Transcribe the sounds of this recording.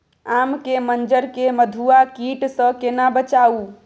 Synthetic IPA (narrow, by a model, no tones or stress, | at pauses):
amkemənd͡ʒəɾkeməd̪ʱuakiʈsə̃kenabət͡ʃau